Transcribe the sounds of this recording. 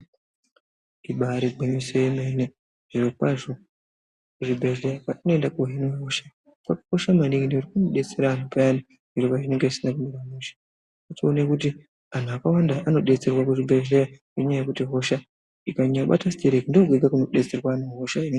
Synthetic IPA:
iɓaɾeɡ͡bemisojemene | ʐ̥irokwaʐo | kuʐibʱeʒejakaino̞endakoɦineɦo̞ʃa | kakḁko̞ʃamaniŋineuɾikunoɗe̞t͡se̞ɾaːnupajani | iɾopaʐineŋɡeisinakumekamuʃḁ | ationekuti | an̤uakawandaʔano̞ɗe̞t͡se̞rwakuʐibʱe̞ɮeja | eɲajekutiɦo̞ʃa | ikaɲaɓa̰tasi̥teɾekindoɡweɡakuno̞ɗe̞t͡se̞rwanaɦoʃain

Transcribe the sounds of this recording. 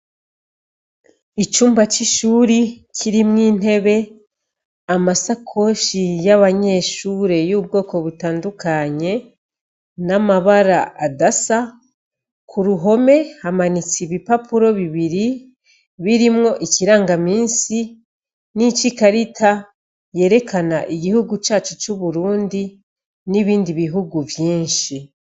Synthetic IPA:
it͡ʃuːmbat͡ʃiʃuːɾicʰiɾimŋiːn̥e̞βe̞ | amasakʰo̞ʃijaβaɲe̞ːʃuːɾe̞juːb̚ɡo̞ːko̞βutaːndukaɲe̞ | namaβaɾaadasa | kʰuɾuɦo̞me̞hamanit͡siβipapuɾo̞βiβiɾi | βiɾimŋo̞ʔiciɾaːŋɡamiːnsi | nit͡ʃikaɾitʰa | je̞ːɾe̞kanaʔiɟihuɡut͡ʃaːt͡ʃut͡ʃuβuɾuːndi | niβiːndiβiɦuɡuvjiːnʃi

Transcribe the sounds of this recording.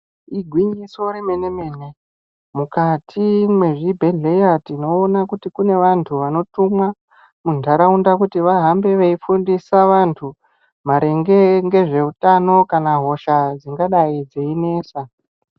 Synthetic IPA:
iɡʱwiɲiso̞ɾimene̞me̞ːne̞ | mukatʰimwe̞ʐibʱeɮejatino̞ːnakutikune̞ʋantʰuʋano̞tumwa | mundʱaɾaundak̬utiʋaɦambe̞ʋeifundisaʋantʰu | maɾe̞ŋɡe̞ŋɡe̞ʐe̞utano̞kanaɦo̞ʃad͡ziŋɡaɗaid͡zeine̞ːsa

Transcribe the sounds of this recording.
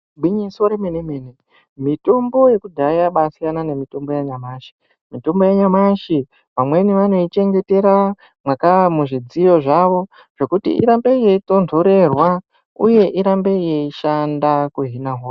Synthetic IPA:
bwiɲisoɾemenemene | mito̞mbo̞je̞kudʱaijaɓasijanane̞mito̞mbo̞jaɲamaːʃi̥ | mito̞mbo̞jaɲamaʃi | ʋamwe̞niʋano̞it͡ʃe̞ŋɡe̞te̞ɾa | mwakaamuʐid͡zijo̞ʐaʋo̞ | ʐ̥e̞kutḭʔḭɾambe̞je̞ito̞ntʰoɾe̞rwa | ṵje̞ʔiɾambe̞jeiʃandakuɦinaɦoːra

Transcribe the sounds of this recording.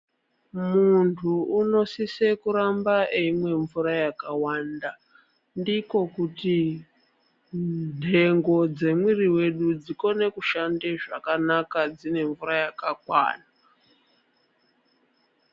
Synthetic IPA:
muntʰuuno̞sisekuɾambaʔeimwe̞ɱvuɾajakawaːnda | ndiko̞kuti | n̤e̞ŋɡo̞d͡ze̞mwiriwe̞ɗud͡ziko̞ne̞kuʃandeʐakanakad͡zine̞ɱvuɾajakakwa̰ːna

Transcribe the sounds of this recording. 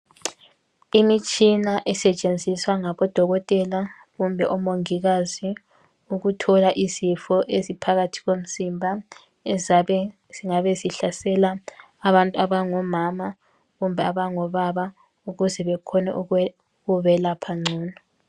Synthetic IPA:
imit͡ʃʼinaʔɛsɛt͡ʃʼend͡zʱiswaŋaβɔd̥ʱɔɣɔtʼɛla | ɣumbʱɛʔɔmoŋiɣazi | uɣutʰɔlaʔizifɔʔezipʰaɣatʰi̥ɣom̩simbʱa | ɛzaɛ | ziŋaβeziɬasɛlaː | βantʼuaβaŋɔmama | ɣumbʱɛaβaŋɔβaβa | uɣuzɛβɛkʰɔnɛ̰ʔ | ɣuβɛlapʰaŋ͡ǀʱɔːnɔ

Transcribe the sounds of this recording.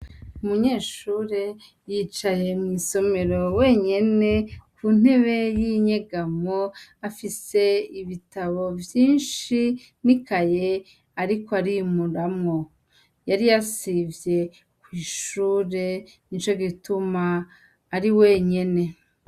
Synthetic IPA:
umuɲe̞ːʃuːɾe̞ | jiːt͡ʃaje̞mŋiso̞me̞ɾowe̞ːɲe̞ne̞kʰun̥e̞βe̞jiɲeɡamoafise̞iβitaβo̞vjiːnʃi | nikaje | aɾikoaɾimuɾamŋo̞ | jaɾijasivje̞ | kwiːʃuːɾe̞ | int͡ʃo̞ɡitumaː | ɾiwe̞ːɲe̞ne̞

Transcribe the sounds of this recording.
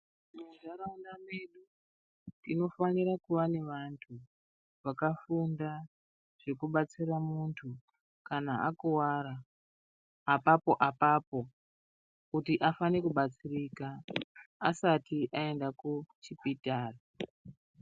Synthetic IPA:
nuzaɾaundameɗu | nino̞faniɾakuʋaneʋantʰu | ʋakafunda | ʐ̥e̞kuɓat͡siramuntʰu | kanaakuwaːɾa | papo̞ʔapaːpo̞ | kutiʔafanekuɓat͡sirikaː | satiʔae̞ndakut͡ʃipitaːra

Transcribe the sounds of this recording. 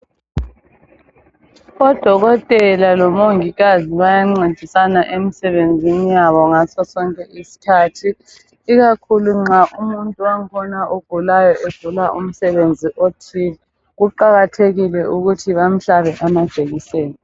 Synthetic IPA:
ɔd̥ʱɔɣɔtʼɛlalɔmoŋiɣaziβajaŋ͡ǀed̥ʱisanaʔemisɛβend͡zʱinijaβɔŋasɔsɔŋkʼɛisi̥kʰaːtʰiː | ɣakʰuluŋ͡ǁaʔumuntʼuwaŋkʰɔnaʔoɡ̥ʱulajɔʔeb̥ʱulaʔum̩sɛβend͡zʱiʔotʰiːlɛ | ɣuǃaɣatʰeɣilɛʔuɣutʰiβam̩ɬaβɛʔamad̥t͡ʃʼeɣisɛːnɛ

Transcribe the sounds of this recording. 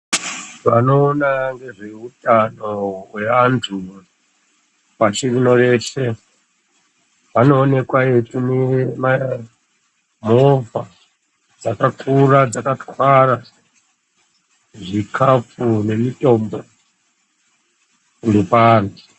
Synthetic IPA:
ʋano̞ːnaŋɡe̞ʐe̞utʼano̞we̞antʰu | pat͡ʃirino̞re̞se̞ | pano̞ːne̞kwaetunema | mova | d͡zakakʰurad͡zakatwara | ʐikʰafune̞mitʼo̞mbo | ŋɡepaːni

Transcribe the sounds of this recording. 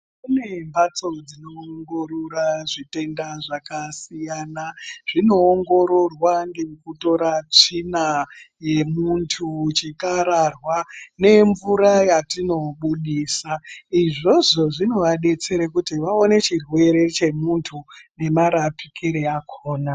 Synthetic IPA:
kune̞mbat͡so̞d͡zino̞ŋɡo̞ɾuɾaʐite̞ndaʐakasijaːnaʐ̥ino̞ːŋɡo̞ɾo̞rwaŋɡekuto̞ɾat͡ʂinaje̞muntʰut͡ʃikaɾarwane̞ɱvuɾajatino̞ɓuɗiːsaiʐo̞ʐo̞ʐino̞ʋaɗe̞t͡se̞ɾekutiʋao̞ne̞t͡ʃirwe̞ɾe̞t͡ʃe̞muntʰune̞maɾapi̥kʰiɾeakʰoːna

